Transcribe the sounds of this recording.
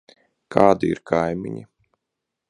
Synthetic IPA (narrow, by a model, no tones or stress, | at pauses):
kʰaːd̪iiɾkʰajmʲḭɲi